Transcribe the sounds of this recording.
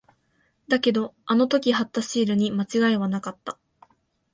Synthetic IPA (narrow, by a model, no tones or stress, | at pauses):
d̪ake̞d̪o̞ano̞t̪o̞kʲihat̪ːaɕiːɾɯ̟ɲ̟imat͡ɕiɡaiβanakat̪ːa